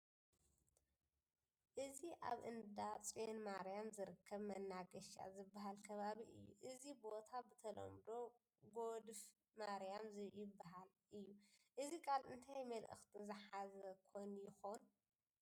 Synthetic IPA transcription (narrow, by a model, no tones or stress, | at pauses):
ʔɨziʔa̰βʔɨ̰nd̪at͡sʼienmaɾjamzɨɾɨkʰːɐβmɐnːaɡɐʃa̰zɨbːaɦalkʰɐβaβiɨ̰jːṵʔɨzibot̪ʰabɨt̪ʰɐlɐ̰md̪o̞ | ɡod̪f | maɾjamzɨjɪbːaɦal | ʔɨjːuʔɨzikʰʼalʔɨnt̪ʰajmɐlʔɨ̰xt̪ʰizɨħazɐkʰojnjɪxon